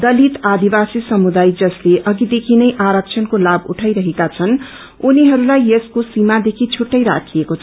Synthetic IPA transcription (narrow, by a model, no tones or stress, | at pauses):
d̪ʌlit̪ad̪ibasisʌmud̪ajd͡zʌsleʔʌɡid̪ekʰinʌjʔaɾʌk̚t͡sʰʌnkolabṵʈʰajɾʌɦekat͡sʰʌn | uniɦʌɾulajeskosimad̪ekʰit͡sʰuʈːʌjɾa̰kʰiekot͡sʰ